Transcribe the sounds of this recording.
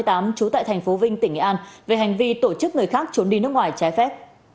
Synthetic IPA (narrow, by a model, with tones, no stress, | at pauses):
jt̪aː˨˦mt͡ɕu˨˦t̪a̰ː˧˨jt̪ʰjŋ̟fo˨˦vï˧ŋ̟t̪ï˧˩ŋ̟ʔḭ˧˩ʔaː˧nve˨˩ɦa˨˩jŋ̟vi˧t̪o˧˩t͡ɕɨ˦˥k̚ŋɨ˨˩əjxaː˦˥k̚t͡ɕu˨˦nɗi˧˩nɨ˦˥ək̚ŋwaː˨˩jt͡ɕaː˨˦jfɛ˦˥p̚